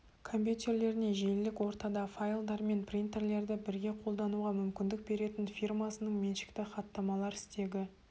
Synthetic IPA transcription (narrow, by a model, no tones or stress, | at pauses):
kʰo̞mp̬ʲjut̪ʲe̞rle̞ɾɪne̞ʒellɪkwo̞ɾt̪ɑd̪ɑfajlˠd̪ɑɾme̞nprʲint̪e̞rle̞ɾd̪ɪbɪɾɡʲe̞qʰo̞lˠd̪ɑnuʁɑmʏmkʲɪnd̪ɪk̚be̞ɾe̞t̪ɪnfʲirmɑsənəɴmenʃɪ̥kt̪ɪχɑt̪ːɑmɑlˠɑɾɪst̪e̞ɡʲɪ